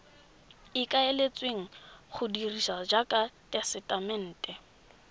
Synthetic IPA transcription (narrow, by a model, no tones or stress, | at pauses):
ɪkaelet͡sʼweŋ̩χʊdiriʃad͡ʒakʼatʼɛsɛtʼamɛn̩ːtʼɛ